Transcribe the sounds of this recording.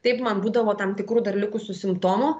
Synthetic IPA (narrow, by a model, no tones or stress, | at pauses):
t̪ɐɪpmɐnbuːd̪ɐʋoːt̪ɐmt̪ʲɪkɾuːd̪ɐɾʲlʲɪkʊsʊsʲɪmpt̪oːmʊ